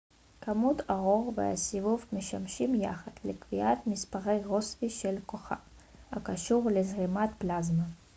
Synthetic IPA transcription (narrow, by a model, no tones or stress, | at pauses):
kamut̪ʰaʁo̞ʁvḛa̰sivuvmeʃamʃimjaχad̪lekviʔat̪mispaʁejʁosviʃelkoχa̰ | ha̰kaʃuʁlezʁimat̪plazma